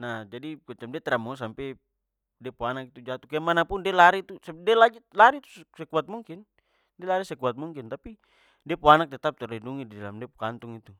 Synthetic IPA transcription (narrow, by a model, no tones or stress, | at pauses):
nad͡ʒadikɔt͡ʃamdɛt̪ɛɾamɔs̬ampɛ | dɛpoanakit̪ud͡ʒat̪ukɛmanapundɛlaɾit̪usɛdɛlad͡ʒilaɾit̪u̥ssɛkuat̪̚muŋkin | dɛlaɾisɛkuat̪̚muŋkint̪api | dɛpoanak̚t̪ɛt̪ap̚t̪ɛɾoinduŋididalamdɛpukant̪uŋit̪u